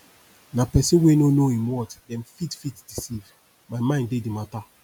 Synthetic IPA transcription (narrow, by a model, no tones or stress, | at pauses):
napɛsĩwenonoĩmwɔtdɛ̃mfitfitd̥isiv | maɪmãɪ̃ndedimata